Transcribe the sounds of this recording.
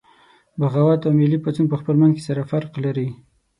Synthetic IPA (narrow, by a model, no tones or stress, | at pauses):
baɣawat̪awmɪlipat͡sunpəxpəlmanzke̥saɾafaɾqlaɾi